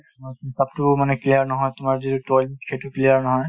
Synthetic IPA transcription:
mɔkmsap̚tʊmanɛklijaɹnɔɦɔjtʊmaɹzitutɔlit̚kʰetuklijaɹnɔɦɔj

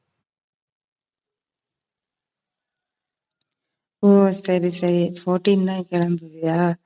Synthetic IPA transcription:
oːsɐɾisɐɾifoːʈinnãkɛlɐnd̪ɯðijaː

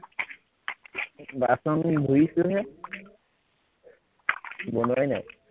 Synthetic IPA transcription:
basɔnibʱojisʊɦɛ | bɔnajna̰j

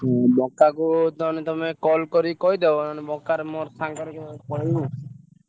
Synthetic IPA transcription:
bɔkːakut̪ɔnit̪ɔmekɔlkɔɾikɔɦid̪ebɔnɔnibɔkːaɾmɔɾst̪ʰaŋkɔɾkpɔɽau

